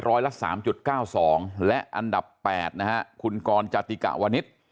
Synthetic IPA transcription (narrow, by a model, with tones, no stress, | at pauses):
ɾɔː˦˥jla˦˥ʔsa̰ː˩˦mt͡ɕu˨˩t̪̚kaː˥˩wsɔː˩˦ŋlɛ˦˥ʔʔa˧nda˨˩pːɛ̰ː˨˩t̪̚na˦˥ka˦˥ʔkʰu˧nkɔː˧nt͡ɕa˧t̪i˧ka̰˨˩ʔwaː˧ni˦˥t̪̚